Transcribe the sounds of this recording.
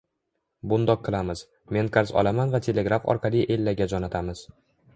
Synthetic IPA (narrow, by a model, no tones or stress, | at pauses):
bʊnd̪ɒqʰːɨlˠamɪz̥ | me̞nkʰaɾsɒ̰lˠamanvat̪ʰe̞le̞ɡɾafɒ̰ɾqʰɑlˠiʔe̞lːaɡʲad͡ʒɒnat̪ʰamɪz̥